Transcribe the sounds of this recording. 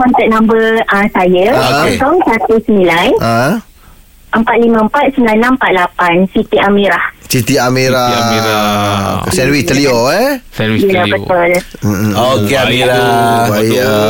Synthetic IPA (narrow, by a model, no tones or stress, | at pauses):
kɔnt̪ɛʔ̚nãmbərãsajəəət̪ɔŋsat̪usəmilanəɦə̃ | ʔəmpat̪̚limə̃əmpat̪̚səmilanãmpat̪̚lapansit̪iamiɾahsit̪iameɾa | o̰ksɛnwit̪əliɔɛilabət̪ʊl | okeamiɾabaja